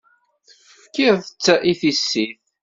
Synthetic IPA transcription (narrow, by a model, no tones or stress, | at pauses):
fkːiʁθət͡sːæʔiθisːiθ